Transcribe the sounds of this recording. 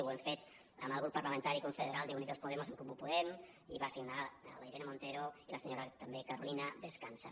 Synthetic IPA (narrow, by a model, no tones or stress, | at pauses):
weɱfet̪ | ə̰məlˠɣ̞ɾupːaɾlamẽnt̪aɾikoɱfeðeɾalˠd̪euniðospoðɛmoseŋkomupuðɛm | ḭβasiɡnalaiɾenemõnt̪eɾoilaseɲoɾat̪ambekaɾo̰linəðeskansa̰